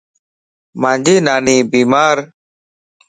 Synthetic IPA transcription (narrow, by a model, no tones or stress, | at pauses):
mãːɲd͡ʒiːnaːniːbiːmaːɾ